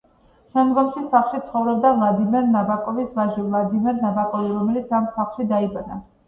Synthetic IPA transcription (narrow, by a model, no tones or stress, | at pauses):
ʃɛmd̪ɡɔmʃisaχlˠʃit̪sʰχɔvɾɔbd̪avlˠad̪imɛɾnabakʼɔvisvaʒivlˠad̪imɛɾnabakʼɔviɾɔmɛlit̪sʰamsaχlˠʃid̪aibana̰